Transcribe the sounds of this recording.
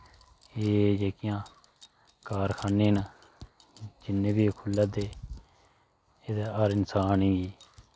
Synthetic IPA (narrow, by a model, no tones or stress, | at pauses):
eːd͡ʒeːkɪjãː | kaːɾkʰaːneːn | d͡ʒɪnːeːbiːkʰʊlːaːd̪eː | eːd̪ɛːaːɾɪnsaːnĩːɡiː